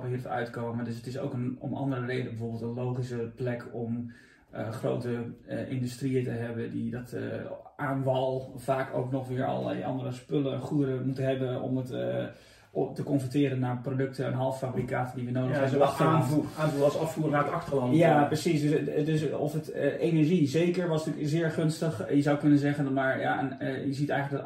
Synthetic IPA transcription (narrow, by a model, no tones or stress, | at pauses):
əhiərtœ̰ɥtkoːəmadøs̬ətɪso̰wkəno̰mɑ̰ndərəreːdəbəfoːbelˠtənlowχisəplɛkɔm | əxro̰wtəʔɪndystriətəɦɛbədidɔtʔaːnvɔlˠfaːko̰wknɔxʋɪəɹɔ̰l̰ˠʔɑ̰ndərəspøləχuəɾəmutəɦɛbəɔ̰mət | təkɔnfətɪːɾənːaːɹprodøk̚təɛnɦɑlˠffabrikaːtədiʋənowdəɛoɔxtə | sɑffuːrəŋnaətɑktəlɑnjaprəsisddøsɔfətejnɛɹʒizejkəɹʋɔstykzɪːɹχønstəχjəzawkønəzɛχənmaɹja̰ɛ̰njəzitɛjxələdɔt